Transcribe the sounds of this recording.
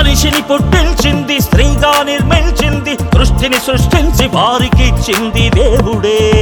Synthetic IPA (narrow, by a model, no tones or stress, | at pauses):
ɐniʃinipuʈːilt͡ʃind̪ist̪ɾiːɡ̪aːniɾmɐlt͡ʃind̪ikɾuʂʈ̪ʰinisɾuʂʈʰiɲt͡ʃiʋaːɾikit͡ʃind̪id̪eːʋuɽeː